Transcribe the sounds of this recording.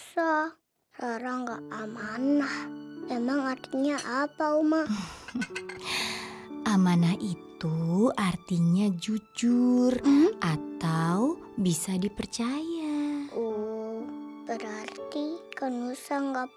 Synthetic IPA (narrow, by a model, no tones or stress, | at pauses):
sa | saɾaŋɡaʔamanahemaŋart̪iɲaʔapauma | ʔamanahʔit̪uʔart̪iɲad͡ʒud͡ʒurʔat̪au | bisadipərt͡ʃajao | bəɾart̪ikənusaŋɡa